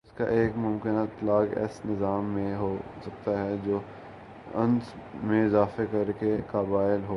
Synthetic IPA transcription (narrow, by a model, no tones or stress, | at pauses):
ʊska̰ʔeːkmʊmkɪnat̪ɐlaːɡɛ̰ːsnɪzaːmːẽɦoːsɐk̚t̪aɦɛd͡ʒoː | ɐ̰̃ns | mẽɪzaːfekɐɾkekaːbaːjɪlɦoː